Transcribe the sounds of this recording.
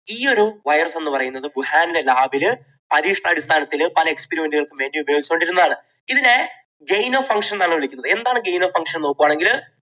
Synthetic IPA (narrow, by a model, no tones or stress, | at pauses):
iːo̞ɾuʋɐjɐrsenːɨpɐrɐjunːɐðɨbuhaːnilelaːbil | pɐɾiːʂɐɳɐɐɽist̪ʰaːnɐt̪ːilpɐlɐekspeɾime̞ndɨɣɐɭkɨʋe̞ːɳɖijubɐjoːɡit͡ɕːɐmoɳɖiɾunːɐðaːɳɨ | iðine̞ | ɡejnoːfɐŋkʂɐnnɐɭːuʋiɭikʲːunːɐðɨe̞nd̪aːɳɨɡe̞jnoːfɐŋkʂɐnno̞ːkːuʋaːɳe̞ŋɡil